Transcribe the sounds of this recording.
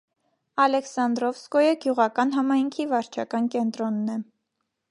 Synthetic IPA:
ɑlɛksɑnd̪ɾɔfskɔjəɡjuʁɑkɑnɦɑmɑjŋkʰivɑɾt͡ʃʰɑkɑnkɛnt̪ɾɔnːɛ

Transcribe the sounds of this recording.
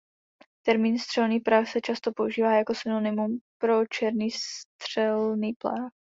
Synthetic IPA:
t̪ɛɾmiːnst̪r̝̥ɛlniːxpɾaxsɛt͡ʃast̪o̞po̞uʒiːvaːjako̞sɪno̞nɪmumpɾo̞t͡ʃɛɾniːst̪r̝̥ɛlniːpla̰ːx

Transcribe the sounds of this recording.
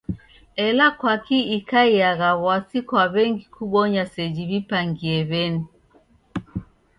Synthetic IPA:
ɛlakwakiikaiaɣaβwasikwaβɛŋɡikʰuɓɔɲasɛd͡ʒiβipaŋɡiɛβɛni

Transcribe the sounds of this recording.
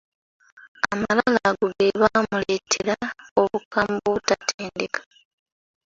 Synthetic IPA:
amalalaɡuɡeβaːmule̞tʰeɾao̞βukamboβutatʰeːndekʰḁ

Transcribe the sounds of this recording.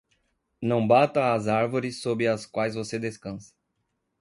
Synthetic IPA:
nɐ̃w̃bat̪ɐːzaɾvoɾɪsːobɪɐskwajzvosed̪eskɐ̃sɐ̥

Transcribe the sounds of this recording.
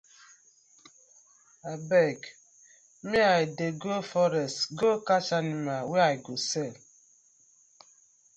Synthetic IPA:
abɛɡ | miaideɡofɔɾɛstɡokat͡ʃanimaweaiɡosɛl

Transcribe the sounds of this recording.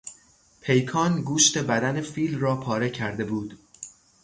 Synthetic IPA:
pʰe̞jkʰɒːnɡuːʃt̪e̞bæd̪ænefiːlrɒːpʰɒːɾe̞cʰæɾd̪e̞buːd̪̥

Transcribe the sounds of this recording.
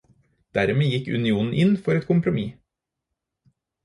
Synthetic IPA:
d̪̥æɾmeːjɪkʉ̰nɪuːnn̩ʔɪnfɔɾɛt̪̚kʰʊmpɾʊmiː

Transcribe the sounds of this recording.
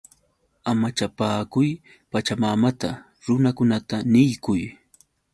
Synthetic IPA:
amat͡ʃapaːkʊj | pat͡ʃamamat̪a̰ | ɾʊnakʊnat̪anɪjkʊj

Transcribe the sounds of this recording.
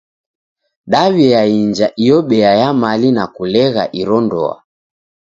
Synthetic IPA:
ɗaβiaiɲd͡ʒaʔijɔɓɛajamalinakulɛɣa̰ʔiɾɔndɔ̰a̰

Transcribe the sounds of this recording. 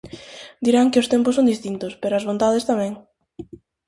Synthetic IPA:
d̪iɾaŋkɪʊst̪empʊsõnd̪ist̪int̪ʊspeɾoɐzβont̪aðest̪amɛ̃ŋ

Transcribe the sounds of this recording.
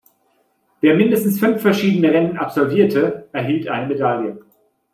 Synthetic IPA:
v̥eːɐmɪndəstn̩sfʏnfːɛɐʃiːdənəʁɛnəna̰pz̥ɔlviːɐtʰəʔɛɐɦiːltʔaɪnəmedaljə

